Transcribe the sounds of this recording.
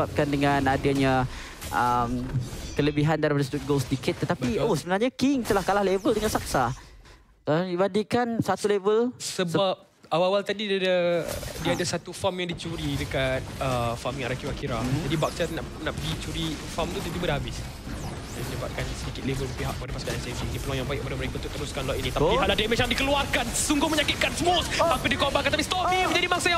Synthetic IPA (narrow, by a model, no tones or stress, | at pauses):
ap̚kandəŋanadaɲa | ʔəmkələbiɦandaɾipadasədut̪̚ɡolsədikɪt̪ːət̪apiosəbənarɲakɪŋt̪əlahkalahlevəldəŋaʔsak̚sa | aibadiʔkansat̪ulevəlsəbap̚ | awawalt̪adidadadiaadasat̪ufamjãŋdit͡ʃuɾidəkat̪̚əfamjãɾakiwakiɾaadibak̚satnaʔ | naʔpəɡit͡ʃuɾifamt̪ut̪it̪ibadɦabɪs | daməɲəba̰t̪̚kansədikɪt̪levələpiɦa̰ʔkːəpadapaskanansafd͡ʒiinĩpəlɔjaŋbaɪʔkːəpadaməɾekaũnt̪ʊʔt̪əɾuskanlɔʔ̪inĩt̪apiaʔladamɛt͡ʃadikəluarkansəsuŋɡʊhməɲakɪt̪̚kansəmosampidikɔbaŋkant̪apist̪ɔiməɲd͡ʒadimaŋsaja